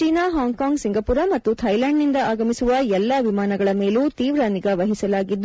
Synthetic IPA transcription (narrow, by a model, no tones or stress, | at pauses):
t͡ʃiːnaːɦaːŋɡkaːŋɡsiŋɡɐpuɾɐmɐt̪ːut̪ʰɐjlaːɳɖnind̪ɐaːɡɐmisuʋɐɛlːɐʋimaːnɐɡɐɭɐme̞ːluːt̪iːʋɾaːniɡɐʋɐɦisɐlaːɡid̪ː